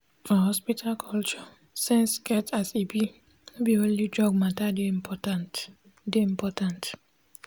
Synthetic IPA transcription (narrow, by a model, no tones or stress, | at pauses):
fɔɦɔspitʰalkʰɔlt͡ʃɔ | sɛ̃nsɡɛtʰasibi | nebiõnlid͡ʒɔɡ̚matadepɔtant | deĩmpɔtãnt